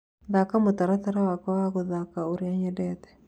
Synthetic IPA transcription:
ðakamotaɾataɾawakaaɣoðakaoɾiaɲɛdɛt̪ɛ̥

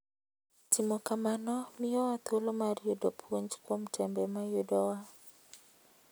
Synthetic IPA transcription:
timɔkamanɔmɪɔwat̪olomarjodopʰwoɲd͡ʒkwomtʰɛmbɛmajodɔwa

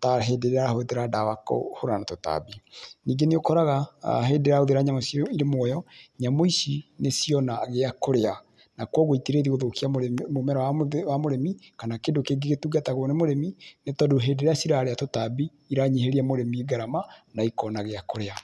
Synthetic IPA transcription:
taɦedeɾeɾaɾahoðeɾadawako̰hoɾanatota̰biniːɡeneokɔɾaɣaɦedeɾaoðeɾaɲamosiiɾemwɔjɔɲamoisinesiɔnaɣeakoɾea | nakwɔɣoitiɾeðiɣoðokiammomɛɾaawamoɾemikanakedokeɡeɣetuɡataɣwnemoɾeminetɔdoɦeːdeɾeasiɾaːɾeatotabiːɾaɲeɦeɾiamoɾemiɡaɾamanaikɔnaɣeakoɾea

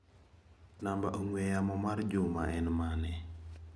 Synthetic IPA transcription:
nambaʔoŋwɛjamɔmard͡ʒʊma̰ɛnmanɛ

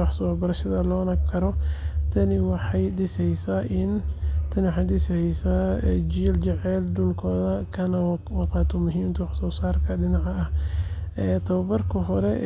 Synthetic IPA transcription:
wɑħsɔːbɐɾɐʃɐðɐlɔːnɐkʰɐɾɔt̪ʰɐnɪwɑħɑjɖɪsɛjsaʔɪnt̪ʰɐnɪwɑħɑjɖɪsɛjsaːd͡ʒiːld͡ʒɛʕɛːld̪ʊlkʰɔːðɐkʰɐnɐwɑqɑːt̪ʰɔmʊɦiːmt̪ʰɐwɑħsɔːsaːrkʰɐɖɪnɑʕɑɐh | ɛt̪ʰɐβɐbɐrkʰɐɦɔɾɛ

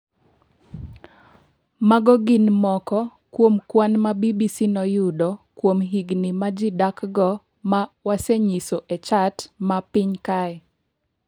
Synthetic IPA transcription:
maɡɔɡɪnmɔkɔkwomkwanmabibisinɔjʊdɔkwomɦiɡnɪmad͡ʒɪdakɡɔ | mawaseɲisoʔɛt͡ʃatmapɪɲkaɛ

